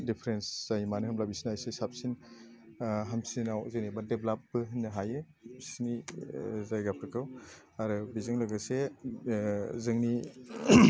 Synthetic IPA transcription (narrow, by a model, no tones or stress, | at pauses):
dipʰɾenszajmanɯhɯmlabisinajsesap̚sin | ɦamsinawzɯŋnibadeblap̚ːɯɦɯnːɯɦajɯ | sinizajɡapʰɾɯkʰɯw | aɾɯbizɯŋlɯɡɯse | zɯŋni